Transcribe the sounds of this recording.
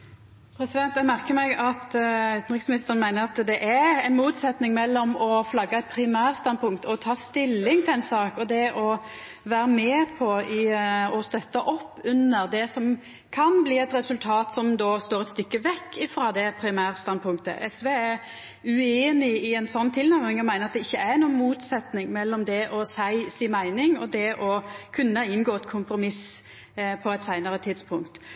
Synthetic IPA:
pʰɾɛsɪd̪ɛnt̪æmæʁkəmɛɡɑt̪ʉːt̪n̩ʁɪksmɪnɪst̪əʁənmæɪnəɾɑt̪d̪ɛʔæɾɛɪnmuːt̪sɛt̪nɪŋmɛlːɔmɔflɑɡːɑɛt̪̚pʰɾɪmæːʁst̪ɑnpʰʊŋkt̪ɔt̪ʰɑːst̪ɪlːɪŋt̪ʰɪlɛɪnsɑːkɔd̪ɛʔɔ | ʋæːɾəmɛːpʰɔɪɔst̪œt̪ːɑʔɔpːʉnːəʁd̪ɛsɔm | kʰɑnbliːɛt̪ɾɛsʉlt̪ʰɑːt̪sɔmd̪oːst̪oːɾɛt̪st̪ʏkːəʋɛkːɪfɾɑːd̪ɛpʰɾɪmæːʁst̪ɑn̚pʰʊŋk̚t̪ə̰ʔɛsʋeːæɾ | ʉeːnɪɪɛnsɔnːt̪ʰɪlnæɾmɪŋɔmæɪnəʁɑt̪̚d̪ɛɪçːəæɾnuːənmuːt̪sɛt̪nɪŋmɛlːɔmd̪ɛʔɔsæɪsiːmæɪnɪŋɔd̪ɛʔɔkʰʉnːəɪnɡoːɛt̪kʰʊmpɾʊmɪs | pʰɔɛt̪sæɪnəɾət̪ʰɪd̪spʰʊŋk̚t̪

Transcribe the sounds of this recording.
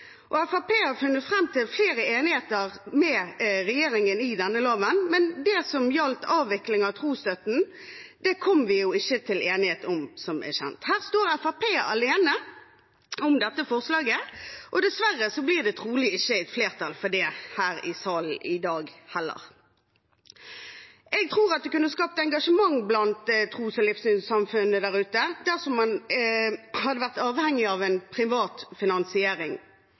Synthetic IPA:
ʔɔæfɑpeːhɑɾfʉnːət̪fʁɛmːt̪ʰɪlfleːɾəeːnɪheːt̪əʁmɛʁɛjeːɾɪŋənɪd̪ɛnːəlɑːʋənmɛnd̪ɛsɔmjɑlt̪ɑːʋːɪklɪŋɑʋt̪ʰʁuːst̪œt̪n̩ | d̪̥ɛkʰɔmːʋɪjʊɪçːət̪ʰɪleːnɪheːt̪ʊmsɔmɛ̰ɕɛ̰nt̪hæːʁst̪oːʁæfɑpʰeːʔɑ̰leːnə | ʊmd̪ɛt̪ːəfɔʁslɑːɡəʔɔd̪ɛsʋæʁːəsɔbliːd̪ɛt̪ʰʁuːlɪɪçːəɛt̪fleːʁt̪ʰɑlfɔd̪ɛhæːɾɪsɑːln̩ɪd̪ɑːɡhɛlːə̰ʁ | ʔɛɡ̚t̪ʰʁuːʁɑt̪̚d̪ɛkʉnːəskɑːp̚t̪əɛŋɡɑʂəmɑŋːblɑnt̪t̪ʰʁuːsɔlɪfsʏnsɑmfʉnːəd̪æʁʉːt̪əd̪æʁsɔmːɑn | hɑd̪əʋæʁt̪ɑːʋhɛŋːɪɑʋɛnpʰʁɪʋɑːt̪fɪnɑnsɪeːɾɪŋ

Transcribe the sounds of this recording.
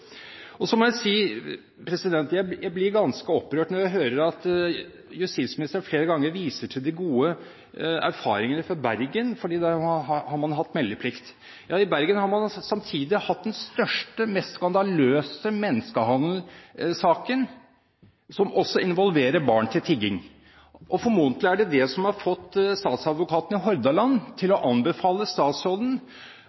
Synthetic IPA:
ɔsɔmɔjæɪsiː | pʰɾɛsɪd̪ɛnt̪jæɪjæɪblɪɾɡɑnskəɔpːɾøːʈnɔɾjæɪɦøːɾəɾɑt̪ | jʉst̪iːt̪smɪnɪst̪əɳfleːɾəɡɑŋːəɾʋiːsəʈʰɪld̪ɪɡuːə | æ̰ɾfɑːɾɪŋənəfɔɾbæɾɡənfɔɖiːd̪ɛhɑhɑɾmɑnɦɑt̪ːmɛlːəpʰlɪkt̪ | jɑːɪbæɾɡənhɑɾmɑnsɑmt̪ʰiːd̪ɪhɑt̪̚d̪ɛnst̪œʂʈəmɛst̪skɑnd̪ɑløːsəmɛnːəskəɦɑnd̪l̩sɑːkən | sɔmʔɔsːɔɪnʋɔlʋeːɾəɾbɑːɳt̪ʰɪlt̪ʰɪɡɪŋ | ʔɔfɔɾmuːnt̪lɪæɖɛd̪ɛsɔmhɑɾfɔt̪ːst̪ɑːt̪sɑd̪ʋʊkʰɑːt̪n̩ɪɦɔɾd̪ɑlɑnːt̪ʰɪlɔʔɑnbəfɑːləst̪ɑːt̪sɾɔld̪ən̩

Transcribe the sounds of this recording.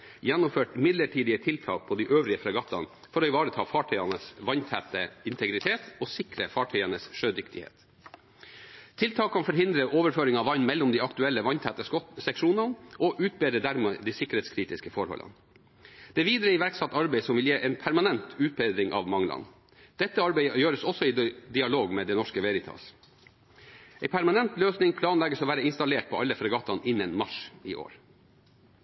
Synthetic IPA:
jɛnːʊmføːʈmɪd̪ləʈʰiːd̪ɪət̪ʰɪlt̪ʰɑ̰ːk̚pʰɔd̪iːʔøːʋɾɪəfɾɑɡɑt̪ːɑ̰n | fɔɾoːɪʋɑːɾət̪ʰɑːfɑːʈʰœʏɑnəsʋɑɲt̪ʰæt̪əɪnt̪ʰɛɡɾɪt̪ʰeːt̪ɔːsɪkɾəfɑːʈʰœʏɑnəsʂøːd̪ʏkt̪ɪhḛːt̪ | t̪ʰɪlt̪ʰɑːkʰːɑnfɔɾɦɪnd̪ɾəʔoːʋəɾføːɾɪŋɑʋɑɲmɛlːɔmd̪iːɑkt̪ʉɛlːəʋɑnt̪ʰæːt̪əsɛkʂuːnɑnʔɔʔʉːt̪̚beːd̪ɾəd̪æɾmeːd̪iːsɪkːəɾheːt̪skʰɾiːt̪ɪskəfɔɾhɔ̰lʔɑ̰n | d̪̥ɛʋiːd̪ɾəɪʋæɾksɑt̪ːɑɾbɛɪsɔmʋɪljeːʔɛnpʰæɾmɑnɛnt̪ʉːt̪̚beːd̪ɾɪŋʔɑ̰ʋmɑŋlɑ̰n | d̪̥ɛt̪ːəɑɾbæɪjøːɾəsɔsɔɪd̪ɪɑloːɡmɛːd̪ɛnɔʂkəʋɛɾɪt̪ʰɑ̰ːs | ɛɪpʰæɾmɑnɛnt̪løːsnɪŋpʰlɑːnlɛɡəsɔʋæːɾəɪnst̪ɑleːʈ̚pʰɔʔɑlːəfɾɑɡɑt̪ʰːɑnɪnːənmɑʂɪ̰ʔo̰ːɾ

